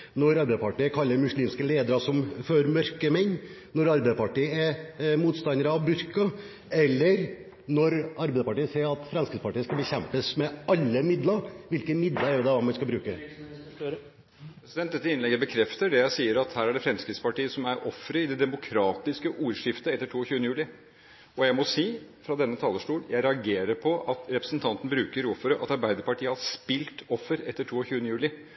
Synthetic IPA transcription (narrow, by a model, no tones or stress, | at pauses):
nɔɾɑɾbæɪspɑʈiːəkʰɑlːəɾmʉsliːmskəleːd̪əɾɑsɔmføɾmœɾkəmɛɲː | nɔɾɑɾbæpɑʈiːəɛmuːt̪st̪ɑnəɾəɑʋbʉɾkɑ | ɛlːəɾ | nɔɾʔɑɾbɛɪd̪əpɑʈiːəseːɾɑt̪fɾɛnskɾɪd̪spɑʈiːəskɑbəçɛmpəsmɛʔɑlːəmɪd̪lɑɾʋɪlkəmɪd̪lɑɾɛɾɔd̪ɛɑmɛskɑbɾʉːkə | pɾɛsɪd̪ɛnt̪d̪ɛt̪ːəɪnlɛɡːəbəkʰɾɛft̪əɖɛjæɪsiːəɾɑt̪hæːɾæɖɛfɾɛmskɾɪt̪spɑʈiːəsɔmæɾʔɔfɾəɪd̪ɛd̪ɛmʊkʰɾɑːt̪ɪskəʔuːɾʂɪft̪əɛt̪ːəʈʰuːɔçʉːənəjʉːlɪ | ɔjæɪmɔsiː | fɾɑd̪ɛnːət̪ʰɑːləʂʈuːljʔæɪɾɛɑɡeːɾəɾpʰɔʔɑt̪ɾɛpɾəsnt̪ʰɑnt̪ən̩bɾʉːkəɾuːfɔɾəʔɑ̰t̪ɑɾbæɪd̪əɾpɑʈʰiːəhɑspɪlt̪ɔfːəɾɛt̪ːəʈʰuːɔçʉːənəjʉːlɪ